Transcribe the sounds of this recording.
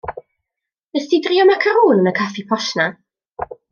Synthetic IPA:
nəstidriːɔmakʰəɾuːnənəkʰafipʰɔʃna

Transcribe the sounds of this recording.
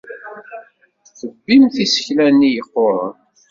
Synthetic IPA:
θəbːimθisə̥çlænːijəqːoɾˤə̰n

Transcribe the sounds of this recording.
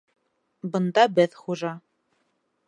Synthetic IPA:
bɤ̆nd̪ɑbɘðχuʒɑ

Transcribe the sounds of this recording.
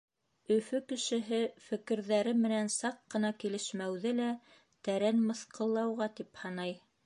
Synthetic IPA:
ɵ̆fɵkɘ̆ʃɘ̆ɦɘfɘ̆kɘ̆ɾðæɾɘmɘ̆nænsɑqːɤ̆nɑkilɘ̆ʃmæwðɘlæ | t̪æɾænmɤ̆θqɤ̆lˠːɑwʁɑt̪iphɑnɑj

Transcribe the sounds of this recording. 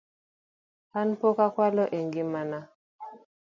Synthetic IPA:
hanpokakwalɔʔeŋɡimana

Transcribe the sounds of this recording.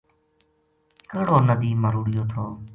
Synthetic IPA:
kəɽoːnəd̪iːməɾuːɽɪjoːt̪ʰoː

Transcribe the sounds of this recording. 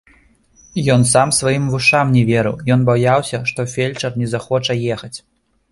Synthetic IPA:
jɔnsamsvajimvuʂamnʲɛvʲɛɾɨ̰wjɔnbajawsʲɐʂt̪ɔfʲelʲt͡ʂɐrnʲɛzaxɔt͡ʂɐjɛxɐt͡sʲ

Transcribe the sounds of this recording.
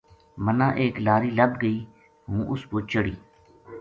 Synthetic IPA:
mənãːʔeːklaːɾiːləbɡəiː | ɦũːʔʊskoːt͡ʃəɽiː

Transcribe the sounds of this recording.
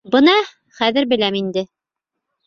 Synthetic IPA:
bɤnɑ | χæðɘ̆ɾbɘ̆læmind̪ɘ

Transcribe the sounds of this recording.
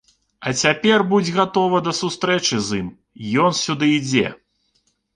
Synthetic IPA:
ɐt͡sʲapʲɛrbud͡zʲɣat̪ɔvɐd̪ɐsust̪ɾɛt͡ʂɨzim | jɔnsʲud̪ɨid͡zʲɛ̰

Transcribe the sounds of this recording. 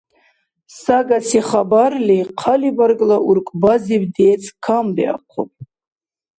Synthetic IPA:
saɡasiχabarliqʰalibaɾɡʼlaʔuɾkʷʼbazibd̪ɛːt͡sʰʼkʰambia̰qʷʰɔ̰p̚ʼ

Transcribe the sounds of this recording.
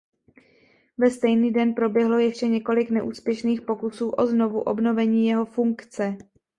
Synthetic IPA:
vɛst̪ɛjniːdɛnpɾo̞bjɛɦlo̞jɛʃcɛɲɛko̞lɪknɛʔuːspjɛʃniːxpo̞kusuːʔo̞zno̞vuʔo̞̰bno̞vɛɲiːjɛɦo̞fuŋkt͡sɛ

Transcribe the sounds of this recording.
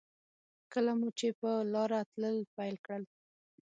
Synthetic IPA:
kəlamut͡ʃepəlɑɾat̪ləlpajlkɽəl

